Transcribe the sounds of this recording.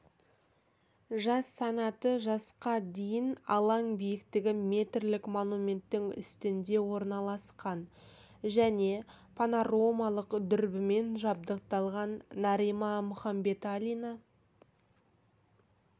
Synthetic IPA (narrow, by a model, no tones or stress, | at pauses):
ʒɑsːɑnɑt̪əʒɑsqɑd̪e̞jɪnɑlˠɑŋbijɪkt̪ɪɡʲɪme̞t̪rlɪkmonumʲe̞nt̪ːɪŋʏ̰st̪ɪnd̪e̞wo̞ɾnɑlˠɑsqɑn | ʒæne̞pʰanoromɑlˠəqd̪ʏɾbɪme̞nʒɑb̚d̪əq̚t̪ɑlˠʁɑnːɑɾimɑmʊχɑmbe̞t̪alʲina